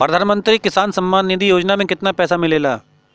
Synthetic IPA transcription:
pɾəd̪ʱaːnmə̃nt̪ɾiːkɪsaːnsəmːaːnːɪd̪iːjoːd͡ʒnaːmẽːkɪt̪naːpɛːsaːmɪleːlaː

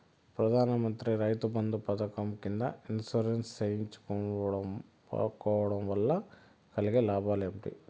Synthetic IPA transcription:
pɾɐd̪ʱaːnɐmɐnt̪ɾiɾɐjt̪ubɐnd̪upɐd̪ɐkɐmkind̪ɐ̰insuːɾenssejiɲt͡ʃu̥k | kɔʋɐɽɐmʋɐlːɐ | kɐliɡelaːbʱaːlemʈḭ

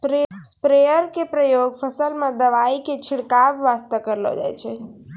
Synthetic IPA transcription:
pɾespɾejəɾkepɾəjoɡpʰəsəlmãd̪əʋaiket͡ʃʰiɽkaʋːast̪əkəɾlo̰d͡ʒa̰jt͡ʃʰɛ

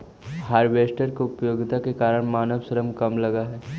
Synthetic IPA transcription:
ɦaːɾʋeːsʈəɾkiʊpəjoːɡɪt̪akekaːɾəɽ̃maːnəʋsəɾəmkɐmlɐɡaɦɛː

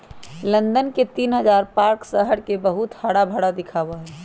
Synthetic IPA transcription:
lə̃nd̪ənket̪iːnɦəzaːɾpaːɾksəɦəɽkebəɦʊt̪haɽabʱəɽad̪ɪkʰaːwaɦɛː

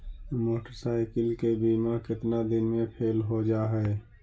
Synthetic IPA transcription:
moːʈəɾsaːɪkəlkebiːmakɪt̪nad̪ɪnmẽpʰeːlɦod͡ʒaːɦɛː

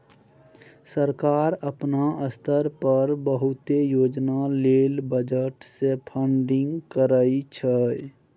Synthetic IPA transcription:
səɾkaːɾəpnaəst̪ʰəɾpəɾbəɦut̪ejoːd͡ʒnaleːlbəd͡ʒəʈsepʰəɳɖɪ̃ŋɡkəɾəit͡ʃʰə

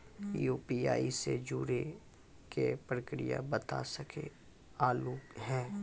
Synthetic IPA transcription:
juːpiaːised͡ʒuːɾe | kepɾəkɾija̰bət̪asəke | aːluːkɦɛ̃ː

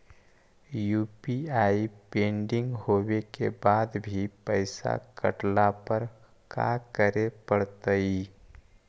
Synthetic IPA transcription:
juːpiaːipẽːɳɖɪ̃ŋɡɦoːwekebaːd̪bʱipəɪsa̰kə̰ʈlapəɾ | ka̰kəɾepəɽt̪əi

